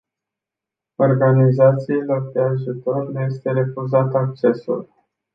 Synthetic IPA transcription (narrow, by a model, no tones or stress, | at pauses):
o̞rɡanizat̪siilord̪eaʒut̪o̞rnuje̞st̪e̞ɾe̞fuzat̪əak̚t͡ʃe̞sṵl